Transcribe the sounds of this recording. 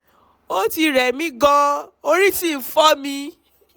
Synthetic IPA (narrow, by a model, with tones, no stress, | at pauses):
o˦ti˧ɾɛ˨mĩ˨˦ɡɔ̃˧o˧ɾi˦ti˦˨fɔ˦mĩ˧